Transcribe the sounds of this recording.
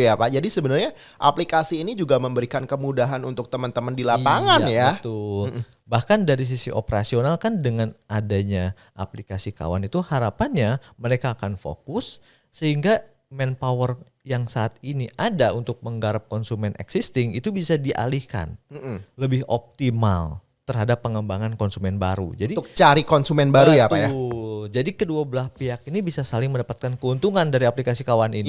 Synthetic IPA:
japad͡ʒadisəbənarɲa | ʔaplikasiːnid͡ʒuɡaməmbəɾikankəmudaɦanunt̪ʊk̚t̪əmənt̪əməndilapaŋanjat̪ʊl | bahkandaɾis̬isiʔo̰pəɾa̰sionalkandəŋanadaɲa | ʔa̰plikasika̰wa̰nit̪uhaɾapanɲaməɾekaːkanfo̰kʊsː | əhiŋɡa | mɛnpawər | jaŋsaːt̪̚iniʔadaunt̪ʊk̚məŋɡaɾap̚kɔnsumɛnɛ̰ksist̪ɪŋit̪ubisadiʔa̰lihka̰n̩ləbɪhɔ̰p̚t̪ima̰l | t̪ərɦadapːəŋəmbaŋankɔnsumɛnbaɾṵd͡ʒadit̪ʊk̚t͡ʃaɾikɔnsumɛnbaɾujapajad͡ʒadikəduabəlaspiakinibisasalɪŋməndapat̪̚kankəunt̪uŋandaɾiaplikasikawanini

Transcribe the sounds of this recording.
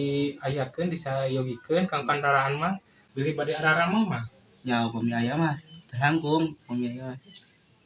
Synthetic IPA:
iajakənbisajoɡikənkaŋkandaɾaːnmah | bilibadiaɾaɾamahmah | d͡ʒaupɔmiajamaht̪ərlaŋɡuŋpomiajamah

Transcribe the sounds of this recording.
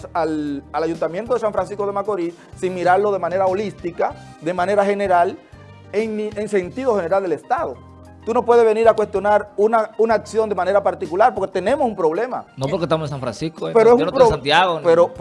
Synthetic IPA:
salalaʝunt̪amje̞nt̪o̞ðesaɱfɾans̬isko̞ðemakoɾi | siŋmiɾaɾlo̞ð̞e̞mãne̞ɾaolist̪ika | d̪e̞mãne̞ɾaxe̞neɾal | eŋieŋse̞nt̪iðo̞xe̞ne̞ɾald̪elest̪aðo | t̪uno̞pwe̞ðeβe̞niɾakwest̪jo̞naɾunaunaːksjo̞nd̪emãne̞ɾapaɾt̪ikulaɾp̬oɾket̪e̞nẽ̞mosumpɾo̞β̞le̞ma̰nopoɾkest̪amosensaɱfɾa̰nsiskopeɾoesunoosant̪jaɣopeɾo

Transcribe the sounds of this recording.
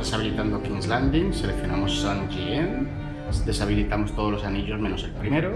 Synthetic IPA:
esaβilit̪and̪okinzland̪iŋselekθjo̞na̰mosːand͡ʒien | d̪e̞saβ̞ilit̪amo̞st̪oð̞o̞zlo̞saniʎo̞zmenose̞lpɾimeɾo

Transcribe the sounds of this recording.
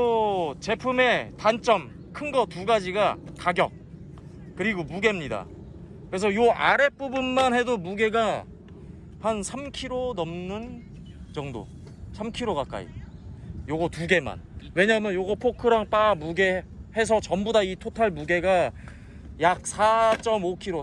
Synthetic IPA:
ot͡ɕe̞pʰume̞tant͡ɕ͈ʌm | kʰɯnɡʌtuɡad͡ʑiɡataɡjʌk̚ | k͈ːɯɾiɡomuɡe̞mɲida̰ | kɯɾe̞s̬ʰʌjoa̰ɾe̞p͈ubɯnmanhe̞domuɡe̞ɡa | pansʰamkʰiɾonʌmnɯn | t͡ɕʌŋdo̰ | sʰamkʰiɾoɡak͈a̰ḭ | joɡʌtuɡe̞ma̰nwe̞ɲamjʌnjoɡʌpʰokʰɯɾaŋt͈amuɡe̞he̞s̬ʰʌt͡ɕʌmbudaitʰotʰaɭmuɡe̞ɡa | jak̚sʰat͡ɕ͈ʌmokʰiɾo

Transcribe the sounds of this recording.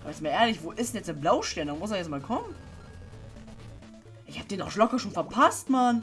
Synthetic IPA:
ʔaːbɐjɛt͡ssmaːleːɐlɪçv̥oːʔɪsdɛnjɛt͡sd̥eːɐblaʊʃtɛːɐndamʊs̬ɛjɛt͡smaːlkʰɔmən | ʔɪçhaːp̚d̥eːnalɔkɐʃoːnfɛɐpʰastman

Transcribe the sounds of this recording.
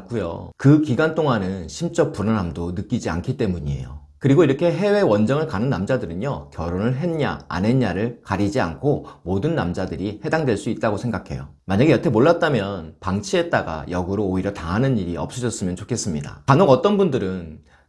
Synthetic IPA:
k͈ujo̰kɯkiɡantʰoŋanɯnɕʰimt͡ɕ͈ʌk̚p͈unanɦamdonɯk͈id͡ʑia̰nkʰit͈emuɲie̞̰jo̰ | kɯɾiɡoiɾʌkʰe̞ɦe̞we̞wʌnd͡ʑʌŋɯɭkanɯnːamd͡ʑadɯɾɯɲjʌkjʌɾonɯɭɦe̞nɲa̰ːne̞ɲaɾɯɭkaɾid͡ʑia̰nkʰomodɯnːamd͡ʑadɯɾihe̞daŋdwe̞ɭs͈uit̚t͈aɡosʰe̞ŋɡakʰe̞jo̰maɲaɡe̞jʌtʰemoɭːat̚t͈amjʌnpaŋt͡ɕʰie̞t̚t͈aɡa̰jʌɡuɾoːiɾjʌtaɦanɯniɾiʌp̚s͈ʌd͡ʑʌs͈ɯmjʌnt͡ɕokʰe̞s͈ɯmɲida̰kanoɡʌt͈ʌnbundɯɾɯn

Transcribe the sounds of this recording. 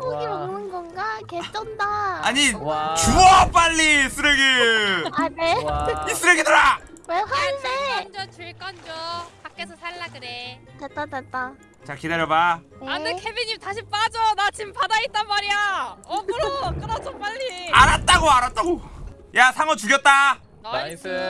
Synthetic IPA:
oɡiomnɯnɡʌnɡaket͡ɕ͈ʌndaaɲit͡ɕuʌp͈aʎːis͈ʰɯɾeɡeaneis͈ɯɾeɡidaɾaweat͡ɕkʌnd͡ʑʌt͡ɕɯɭk͈ʌnd͡ʑʌpak͈esʰʌsʰaɭːaɡɯɾetet͈atat͈a | t͡ɕakidaɾjʌbaanɯkʰebiɲimtaɕʰip͈ad͡ʑonat͡ɕimpadait͈̚anmaɾijaʌkɯɾok͈ɯnasʰop͈aʎːiaɾat̚t͈aɡoaɾat̚t͈aɡo | jasʰaŋʌt͡ɕuɡjʌt̚t͈a | n

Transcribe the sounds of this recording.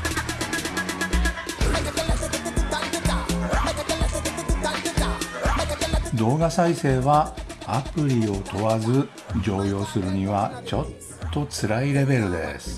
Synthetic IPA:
d̪o̞ːɡasaise̞ːβaapɯ̟ɾʲio̞t̪o̞βazɨ | d͡ʑo̞ːjo̞ːsɨɾɯ̟ɲ̟iβat͡ɕo̞t̪ʰːo̞t͡sɨɾaiɾe̞be̞ɾɯ̟d̪e̞̰sɨ̥

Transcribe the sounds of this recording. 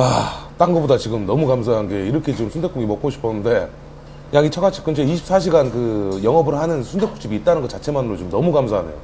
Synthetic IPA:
at͈aŋɡʌbodat͡ɕiɡɯmnʌmukams̬ʰaɦanɡe̞iɾʌkʰe̞t͡ɕiɯmsʰunde̞k͈oɡimʌk͈oɕʰi̥pʰʌnɯnde̞ | jaɡit͡ɕʰʌɡat͡ɕʰi̥k͈ɯd͡ʑeiɕʰi̥p̚s͈ʰaɕ̬ʰiɡankɯjʌŋɦʌbɯɾhanɯnsʰunde̞k͈ʰo̥kt͡ɕ͈ibiːt̚t͈anɯnɡʌt͡ɕat͡ɕʰe̞manɯɾot͡ɕomnʌmukamsʰaɦanejo̰

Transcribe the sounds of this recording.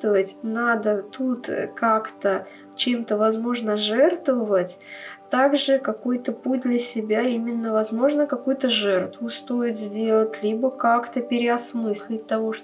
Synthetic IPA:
t̪əvətʲnad̪ət̪ut̪kakt̪ə | t͡ɕemt̪əvɐzmo̞ʐnəʐɛrt̪vəvətʲt̪aɡʐɨkɐkojt̪əput̚ʲd̪lʲəsʲɪbʲaimʲɪnːəvɐzmo̞ʐnəkɐkujʊt̪əʐɛrt̪vʊst̪o̞ɪt̪zʲdʲe̞lˠətʲlʲibəkakt̪əpʲɪɾʲɪɐsmɨsʲlʲɪt̚ʲt̪ɐvoʂ

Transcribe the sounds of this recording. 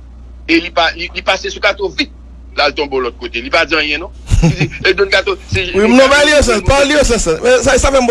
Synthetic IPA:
elipalilipasesukat̪ovit̪̚ | lalt̪ɔ̃bolɔt̪̚kot̪elipad͡ziãjɛ̃nɔ̃id͡ziedõnkat̪osewinɔ̃balios̬ãbalijos̬ãsãɛsasafɛm̩b

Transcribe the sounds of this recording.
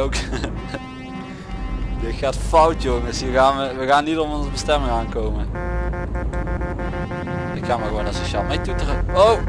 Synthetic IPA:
owk | dətxaːtfɑwtjoŋɪsiːɣaːnʋəʋəɣaːnːitɔmɔnzəbəstɛmɪŋaːnkowmə | nɪkxaːməɣəʋonasoʃaːlˠmejtutərəow

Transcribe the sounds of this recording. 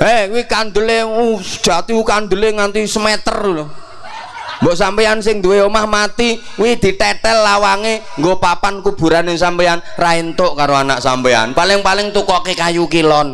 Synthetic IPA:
ekwikand̪əleud̥ʒ̥a̤t̪iukand̪əleŋant̪isəmɛt̪ərl | mbɔʔsampeansɪŋd̪uweomahmat̪ikwid̪̥i̤t̪ɛʈ̪ɛlːawaŋe | ŋɡopapankub̥ṳɾanɪŋsampeanraint̪oʔkaɾoanaʔsampea̰npalɪŋpalɪŋt̪ukɔkekajukilɔn

